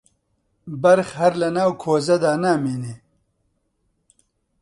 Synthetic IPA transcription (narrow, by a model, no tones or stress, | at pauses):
bɐɾxhɐɾlɐnaːwkʰoːzɐd̪aːnaːmene